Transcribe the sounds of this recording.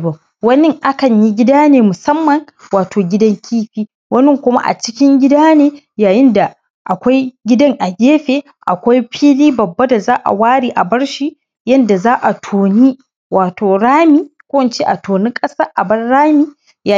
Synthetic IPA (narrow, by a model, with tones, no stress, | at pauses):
ba˨ | wɐ˦nɪ˦ŋʔa˦kɐ˨ɲji˦ɡʲɪ˦daː˦neː˨mʊ˨sɐ˦mːɐ˨ŋ | waː˨tʰoː˨ɡʲɪ˦dɐ˦ŋkʲʰiː˦ɸiː˦ | wɐ˦nɪ˦ŋkʷʊ˦ma̰˦ʔa̰˨t͡ʃɪ˦kʲɪ˦ŋɡʲɪ˦daː˦neː˦ | jaː˨jɪ˦nda˨ | ʔa˨kʷa˦jɡʲɪ˦dɐ˦ŋʔa˨ɡʲeː˦ɸeː˨ | ʔa˨kʷa˦jɸiː˦liː˦bɐ˨bːa˦da˨zaː˦ʔa̰˨waː˦ɽiː˨ʔa˨bɐ˦ɽʃiː˦ | jɐ˦nda˨zaː˦ʔa˨tʰoː˨ni˦ | waː˨tʰoː˨ɽaː˦miː˦kʷoː˦wɐ˨nt͡ʃe˦ʔa˨toː˨nɪ˦kʼɐ˦saː˦ʔa˨bɐ˦nɽaː˦miː˦ | ja˨